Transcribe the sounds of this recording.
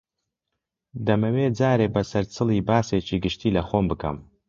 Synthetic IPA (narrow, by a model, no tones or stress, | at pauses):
d̪ɐmɐweːd͡zaːɾeːbɐsɐɾt͡sʰɨlˠiːbaːseːt͡ʃʰiɡɨʃtʰiːlɐχoːmbɨkʰɐ̰m